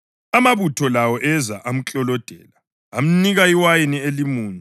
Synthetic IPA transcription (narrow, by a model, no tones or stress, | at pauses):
amaβutʰɔlawɔʔɛza̰ʔam̩t͡ɬʼɔlɔd̥ʱɛ̰ːlaː | m̩niɣaiwajinielimuːni